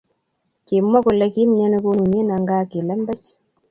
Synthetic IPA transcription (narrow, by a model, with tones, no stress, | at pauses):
ki˨mːa˦ku˨lɛ˦ki˦mɲa˦ne˦ku˦nu˨ɲe˦na˨ŋɡaː˦ki˨lɛ˦mbɛ˦t͡ʃ